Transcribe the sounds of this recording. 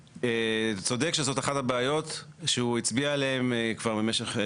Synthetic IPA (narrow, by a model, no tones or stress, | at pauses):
et͡so̞dekʃezo̞taχathabeajo̞t | ʃeuit͡sbialeemkvaʁbemeʃeχ